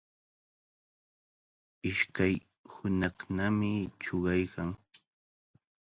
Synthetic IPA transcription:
ɪʃkaj | hʊnɑχnamɪt͡ʃoɢɑjkaŋ

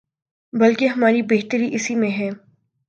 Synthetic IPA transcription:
bɐlkeɦɐmaːɾibeːɦt̪əɾiʔɪsimẽɦɛː

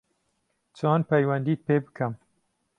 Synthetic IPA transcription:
t͡ʃʰɑːnpɛjwɐnd̪iːt̪̚peːbɨkʰɛm

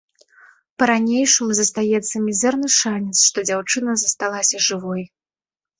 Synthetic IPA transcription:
pɐɾanʲejʂɨmuzɐst̪ajɛt̪sːɐmʲizɛrnɨʂanʲɛt̪sʂt̪ɔd͡zʲawt͡ʂɨnɐzɐst̪alˠasʲɐʐɨvɔj

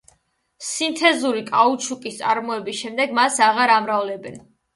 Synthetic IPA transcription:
sint̪ʰɛzuɾikʼaut͡ʃʰukʼist̪sʼaɾmɔɛbisʃɛmd̪ɛɡmasaʁaɾamɾavlɛbɛn

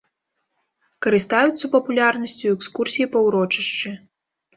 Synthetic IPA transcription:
kɐɾɨst̪ajut̪sːɐpɐpulʲarnɐsʲt͡sʲuɛkskursʲijipɐwɾɔt͡ʂɐʂt͡ʂɨ

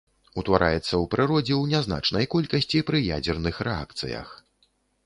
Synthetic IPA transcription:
ut̪vaɾʔa̰jɛt̪sːɐwpɾɨɾɔd͡zʲɛwnʲazna̰t͡ʂnɐjkɔlʲkɐsʲt͡sʲipɾɨjad͡zʲɛrnɨxɾɛa̰kt̪sɨ̰jɐ̰x

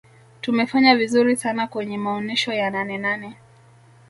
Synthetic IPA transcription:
tumɛfaɲavizuɾisanakwɛɲɛmaɔnɛʃɔjananɛnanɛ

